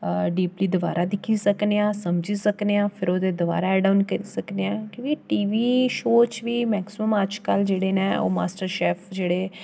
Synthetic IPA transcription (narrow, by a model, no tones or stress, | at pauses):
ɖiːpliːd̪ʊʋa̰ːɾʔaːd̪ɪkʰiːsəkneːãːsəmd͡ʒiːsəkneãːpʰɪɾoːd̪eːd̪ʊʋa̰ːɾaːɛːɖaːʊnkəɾiːsəkneãːkiʋiːʈiːʋiːʃoːt͡ʃʋiːmɛːksɪməməd͡ʒkəld͡ʒeːɽeːnẽːo̰ːma̰ːsʈəɾʃɛːpʰd͡ʒeːɽeː